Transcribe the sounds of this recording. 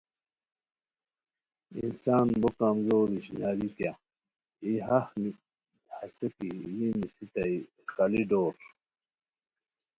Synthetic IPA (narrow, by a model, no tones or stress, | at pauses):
ḭnsaːnbokamzoːɾiɕinaːɾikja | iɦahni | hasekijinisit̪ɐi | kaliɖoːɾ